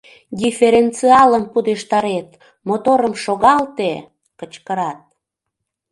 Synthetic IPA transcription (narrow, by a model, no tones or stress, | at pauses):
dʲifeɾent͡siɑləmpud̪eʃt̪ɑɾet̪ | mot̪oɾəmʃoɣɑlt̪e | kət͡ɕkəɾɑt̪̚